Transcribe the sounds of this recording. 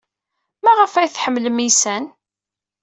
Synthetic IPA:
mæʁəfæjθħəmːləmisæn

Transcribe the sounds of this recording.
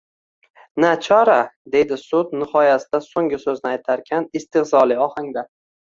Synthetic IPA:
nat͡ʃʰɒɾad̪e̞jd̪ɪsʊdt̪̚nɪhɒjasɪd̪asoŋʲɪsɵznɪajt̪ʰaɾkʲʰanɪst̪ʰɪχzɒlˠɪɒhaŋd̪a

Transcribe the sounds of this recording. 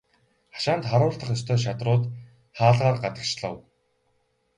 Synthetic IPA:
χḁʃaːnt̪χaɾʊːɮt̪ə̆χjɔst̪ʰœːʃ̬at̪rʊːt̪ | χaːɮʁaːrɢat̪ə̆kʃɮə̰̆w

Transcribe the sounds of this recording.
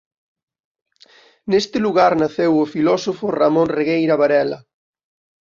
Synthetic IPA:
nest̪ɪluɣaɾnaθewofilɔsofʊramõnreɣejɾaβaɾɛlɐ

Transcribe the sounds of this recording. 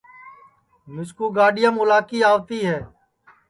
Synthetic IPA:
mʊskuːɡaːɖɪjəmʊlaːkiːaːʋt̪iːɦɛː

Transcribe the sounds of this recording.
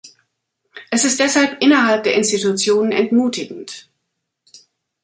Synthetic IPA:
ʔɛsɪstd̥ɛshalpʔɪnɐɦalp̚d̥eːɐɪnstitut͡sjoːnənɛntmuːtɪɡŋ̩t

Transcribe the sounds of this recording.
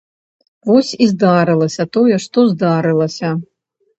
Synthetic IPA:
vɔsʲizd̪aɾɨlˠɐsʲɐt̪ɔjɛʂt̪ɔzd̪aɾɨlˠɐsʲɐ

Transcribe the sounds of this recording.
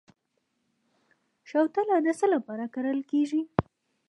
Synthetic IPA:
ʃawt̪alɑd̪əsəlapɑɾakaɾəlkeʒi

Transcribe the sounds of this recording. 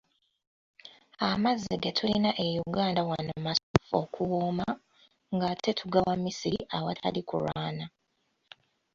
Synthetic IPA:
amazːiɡetʰulinaʔe̞juɡaːndawanomasfokʰuwuma | ŋɡatʰe̞tʰuɡawamisiɾḭʔawatʰa̰likṵɾaːna

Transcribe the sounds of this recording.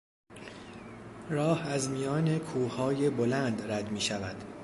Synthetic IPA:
ɾɒːhæzmijɒːne̞kʰuːhɒːje̞bolænd̪ræd̪miːʃævæd̪̥

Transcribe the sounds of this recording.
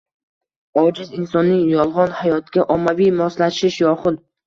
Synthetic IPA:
ɒd͡ʒɪzɪnsɒnːɪŋjɒlˠʁɒnhajɒt̪̚kʲaʔɒmːavijmɒslaʃɪʃjɒχʊd̪

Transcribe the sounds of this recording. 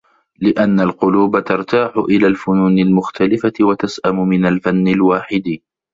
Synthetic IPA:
lɪʔanːalqʊluːbat̪ɑɾˤt̪aːħʊʔɪlaːlfʊnuːnɪlmʊxt̪ʰalɪfawat̪asʔamʊmɪnalfanːɪlwaːħɪd̪

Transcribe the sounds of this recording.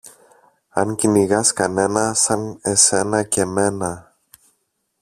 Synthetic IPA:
ɐŋciniɣɐskɐne̞nɐsɐne̞se̞nɐce̞me̞nɐ

